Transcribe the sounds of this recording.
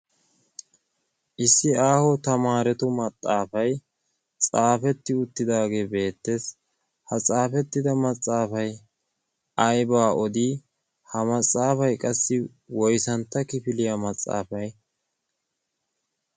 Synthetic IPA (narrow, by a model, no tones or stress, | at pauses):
ʔɪsːɪaːhɔt̪ɐmaːɾɛt̪ʊmɐt͡sʼːaːfɐj | t͡sʼaːfɛt̪ːɪʊt̪ːɪd̪aːɡe̞ːbe̞ːt̪ːes | hɐt͡sʼaːfɛt̪ːɪd̪ɐmɐt͡sʼːaːfɐj | ɐjbaːʔɔd̪i | hɐmɐt͡sʼːaːfɐjkʼɐsːɪ | wɔjsɐnt̪ːɐkɪfɪlɪjɐmɐt͡sʼːa̰ːfɐj